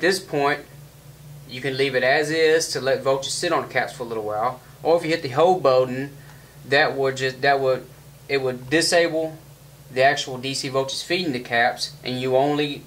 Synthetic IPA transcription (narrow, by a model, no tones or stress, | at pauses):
ɨt̪̚ðɪspʰɔ̃ɪ̃nt͡ʃ | jɨkɨ̃nlivɨɾɨzɪz̥tʰəlɛtvoʊt͡ʃə˞z̥sɪɾn̩ɨkʰæpsfə˞əlɪɾl̩ˠwaɪlˠ | ʔə˞ɨfjɨhɪt̪̚ðɨɦoʊlˠboʊdⁿn̩ | ðɨt̚wəd̚d͡ʒʌsðɨt̚wəɾ | ɪt̚wəddɨseɪbl̩ˠ | ðiæk̚t͡ʃuwl̩ˠdisivoʊt͡ʃə̥z̥fiɾɪ̃ŋtɨkʰæpsʔɨ̰̃njɨõʊ̃nli